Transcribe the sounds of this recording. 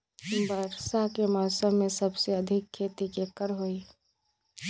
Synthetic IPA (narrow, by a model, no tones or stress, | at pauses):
bəɾsakeməɾsəmẽsəbseəd̪ʱɪkʰːeːt̪ikekəɾɦoi